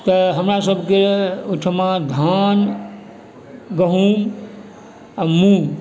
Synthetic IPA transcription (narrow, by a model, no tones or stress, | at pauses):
t̪əɦəmɾasəbʱkeuʈʰmãd̪ʱan | ɡəɦum | mu